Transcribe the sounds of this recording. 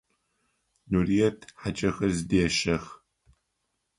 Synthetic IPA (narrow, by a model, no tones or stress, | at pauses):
nurijɛtʰħat͡ʃʼɐxɐrzɨdeːʃɐx